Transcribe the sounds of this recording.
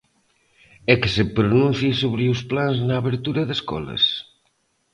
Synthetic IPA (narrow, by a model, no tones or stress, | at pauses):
ɛkesepɾonũn̟θjisoβɾeusplanznaːβeɾt̪uɾɐðeskɔ̰lɐ̰s